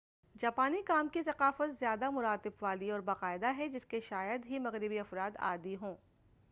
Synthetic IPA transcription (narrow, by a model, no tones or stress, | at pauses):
d͡ʒaːpaːnikaːmkisɐqaːfət̪zjaːd̪amʊɾaːt̪ɪbʋaːliɔːɾbaːqaːɪd̪aɦɛd͡ʒɪskeʃaːjəd̪ɦimɐɣɾɪbiɐfɾaːd̪a̰ːd̪iɦõː